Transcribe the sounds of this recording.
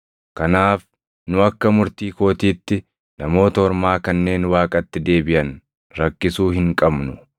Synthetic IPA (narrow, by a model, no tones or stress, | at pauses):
kɐnaːf | nʊɐkːɐmʊɾt̪iːko̞ːt̪iːt̪ːɪ | nɐmo̞ːt̪ɐɔɾmaːkɐnːe̞ːnwaːkʼɐt̪ːɪd̪e̞ːbɪʔɐn | ɾɐkːɪsuːhɪŋkʼɐbnʊ